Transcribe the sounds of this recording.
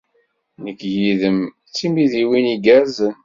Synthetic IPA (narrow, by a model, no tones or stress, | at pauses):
nəkːjiðəm | t͡sːimiðiwiniɡæz